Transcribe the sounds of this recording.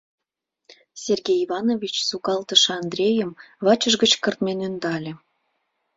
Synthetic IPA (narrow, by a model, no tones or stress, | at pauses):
sʲerɣʲejivɑnovʲit͡ɕsukɑlt̪əʃɑnd̪rʲejəmβɑt͡ɕəʒɡət͡ɕkərt̪menønd̪ɑlʲĕ